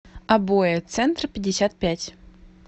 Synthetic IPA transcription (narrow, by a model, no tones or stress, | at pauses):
abojet̪sɛnt̪rpʲɪdʲːɪsʲat̪̚pʲætʲ